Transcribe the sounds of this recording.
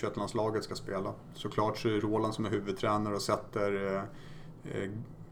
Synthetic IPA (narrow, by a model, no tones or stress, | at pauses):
ɕœt̪ːlanslɑːɡət̪skaspeːla | sɔkʰlɑːʈsɔɛɾoːland̪sɔmɛɦʉ̟ːvɵd̪̚t̪ʰɾɛːnaɾɔsɛt̪ːəɾ